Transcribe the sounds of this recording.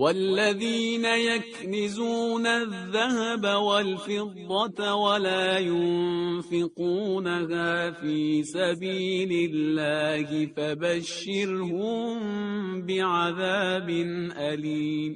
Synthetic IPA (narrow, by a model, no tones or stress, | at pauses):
walːaðiːnajaknɪzuːnaðːahabawalfɪd̪ˤːɑt̪walaːjʊnnfɪquːnahaːfiːsabiːlɪlːaːhɪfabaʃːɪɾhʊmmbɪʕaðaːbɪnʔaliːm